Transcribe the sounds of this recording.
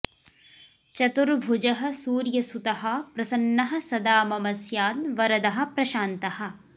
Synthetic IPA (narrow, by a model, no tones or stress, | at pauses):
t͡ʃɐt̪uɾbʱud͡ʒɐɦɐ̆suːɾjɐsut̪ɐɦɐpɾɐsɐnːɐɦɐ̆sɐd̪aːmɐmɐsjaːnʋɐɾɐd̪ɐɦɐ̆pɾɐʃaːnt̪ɐhɐ̆